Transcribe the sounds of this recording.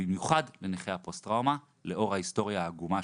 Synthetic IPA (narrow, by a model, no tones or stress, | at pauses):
imjuχadle̞neχeapostʁawma | le̞o̞ʁhaisto̞ʁjaːɡuma